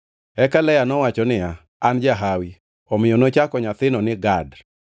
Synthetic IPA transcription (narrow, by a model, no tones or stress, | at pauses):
ɛkalɛjanɔwat͡ʃɔnɪja | and͡ʒaɦawi | ɔmɪjonot͡ʃakɔɲat̪ɪnɔnɪɡad